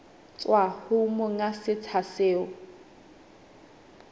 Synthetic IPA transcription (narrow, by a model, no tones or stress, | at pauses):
t͡sʼwahʊmʊŋasɪt͡sʰaseːʊ